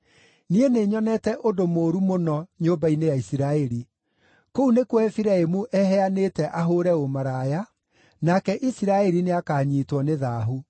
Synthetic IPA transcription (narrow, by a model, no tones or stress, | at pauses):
nieneːɲɔnɛtɛʔodomoːɾumonɔɲoːmbainejaisiɾaɛɾi | kounekwɛfiɾaemuʔɛɦɛanetɛʔaɦoɾɛomaɾaːja | nakɛʔisiɾaɛɾineakaːɲiːtwɔneðaːɦu